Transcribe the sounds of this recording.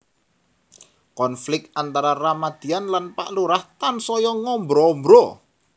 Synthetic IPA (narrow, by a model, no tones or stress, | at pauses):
kɔnflɪk̚ant̪aɾaramad̪̥i̤anlanpa̰ʔluɾaht̪ansɔjɔŋɔmbɾɔmbɾɔ